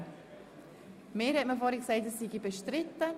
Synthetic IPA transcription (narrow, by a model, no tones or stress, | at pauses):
meːɾhɛtməfɔɾiksɛɪtəssiɡibeʃtɾɪtːə